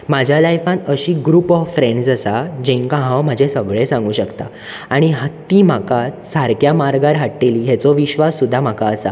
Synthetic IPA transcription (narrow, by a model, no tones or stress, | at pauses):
mad͡ʑʱjalajfãt̪əɕiːɡɾuːpɔʋfɾeɳɖd͡zəsad͡ʑẽŋkãɦãwmad͡ʑʱesəɡɭẽsãŋɡuːɕəkt̪a̰ | aɽ̃iɦatt̪iːm̤aka | saɾkjamaɾɡaɾɦaʈːeliːɦɛt͡sɔʋiɕʋasːud̪ʱːam̤akaəsa̰